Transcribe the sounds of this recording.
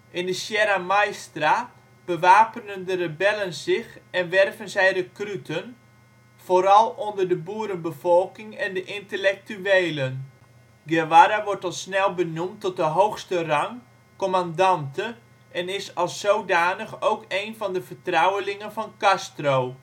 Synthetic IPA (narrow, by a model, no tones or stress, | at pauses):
ɪndəsjɛɾamajstra | b̥əʋaːpənəndərəbɛlənzɪxɛnʋɛrvənzɛjɾəkrytʰən | foɾɑlˠondərdəbuəɾənbəfɔlˠkɪŋɛndəʔɪntəlɛk̚tyeːlən | ɡɛʋaɾaʋɔɹtɑlˠsnɛlˠbənumtːɔt̚dəɦowxstərɑŋ | kɔmandɑntʰə | ʔɛnɪsɑlˠsowdaːnəxowkejnfɑndəfərtrawəlɪŋənfɔnkastroː